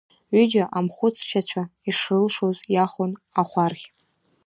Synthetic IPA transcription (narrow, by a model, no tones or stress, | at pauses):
ʏd͡ʒaʔamχʷʊt͡sʰʃat͡ɕʷʰaiʂrɨlʂozjaχonaχʷarχʲ